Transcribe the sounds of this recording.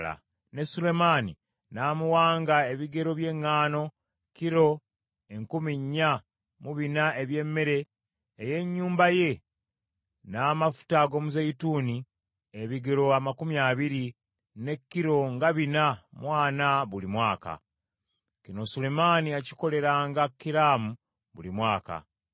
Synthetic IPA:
a̰ | ne̞sule̞maːnḭ | naːmuwaːŋɡae̞βiɡe̞ɾo̞βje̞ŋːaːno̞ | ciɾo̞ | eŋkumiɲːa | muβinae̞βje̞mːe̞ɾe̞ː | je̞ɲːuːmbaje̞ | naːmafu̥taɡo̞muzeituːni | eβiɡe̞ɾo̞amakumjaːβiɾi | ne̞kːiɾo̞ŋɡaβinamwaːnaβulimwaːka̰ | cino̞sulemaːniaci̥ko̞le̞ɾaːŋɡakːiɾaːmu | βṵlimwaːka̰

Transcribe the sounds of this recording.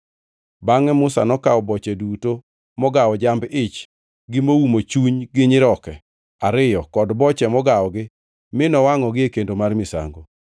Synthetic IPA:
baŋɛmʊsa̰nɔkawɔbɔt͡ʃɛduto | mɔɡawɔd͡ʒambɪt͡ʃ | ɡɪmowumot͡ʃuɲɡɪɲɪɾɔkɛ | aɾɪjɔkɔdbɔt͡ʃɛmɔɡawɔɡɪ | mɪnɔwaŋɔɡɪekendomarmɪsa̰ŋɡo

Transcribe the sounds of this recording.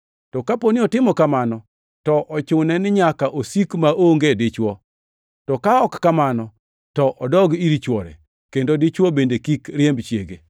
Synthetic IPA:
tɔkaponɪɔtɪmɔkamanɔ | tɔʔɔt͡ʃʊnɛnɪɲakaʔosikmaoŋɡedɪt͡ʃwɔ | tɔkaɔkːamanɔ | tɔʔɔdɔɡiɾit͡ʃwɔɾɛ̰ | kendodɪt͡ʃwɔbendekikɾɪɛmbt͡ʃjeɡe

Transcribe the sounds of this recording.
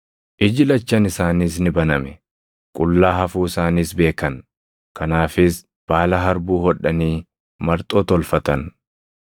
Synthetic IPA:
ʔɪd͡ʒɪlɐt͡ʃːɐnɪsaːniːsnɪbɐnɐmɛ | kʼʊlːaːɦɐfuːɪsaːniːsbe̞ːkɐn | kɐnaːfɪs | b̥aːlɐɦɐɾbuːhɔᶑːɐniː | mɐɾt̪ʼoːt̪ɔlfɐt̪ɐn

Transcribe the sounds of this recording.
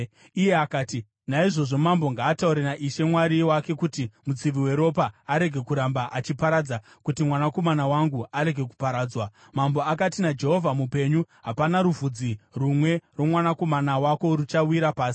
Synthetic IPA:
ije̞akaːti | naiʐo̞ʐo̞mamboŋɡaːtauɾenaʔiʃe̞mwaɾiwake̞kutimud͡ziʋiwe̞ɾo̞paaɾe̞ɡʱe̞kuɾambaʔat͡ʃipaɾad͡za | kutimwanako̞manawaŋɡuaɾe̞ɡʱe̞ku̥paɾaːd͡zwa | mambo̞akatinad͡ʒe̞ɦo̞vʱamupe̞ɲuɦapanaɾuvud͡zirumwe̞ro̞mwanako̞manawako̞ɾut͡ʃawiɾapaːsi̥

